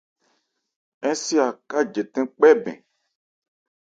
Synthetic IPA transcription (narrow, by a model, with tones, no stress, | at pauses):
ɛ̃˦si˦a˨ka˦d͡ʒe˨t̪ɛ̃˦k͡pɛ˦bɛ̰̃˨